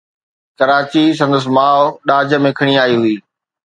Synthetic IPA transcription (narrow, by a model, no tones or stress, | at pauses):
kɐɾaːt͡ɕis̬ɐ̃nd̪əs̬maːoɗaːd͡ʑə̆mẽkʰɐɽ̃iaːiɦʊiː